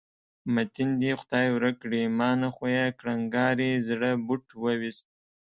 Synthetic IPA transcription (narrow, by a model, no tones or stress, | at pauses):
mat̪ind̪ixʊd̪ɑjwɾəkɽimɑːnaxojakɽaŋɡɑɾizɽəbʊʈwəwist̪̚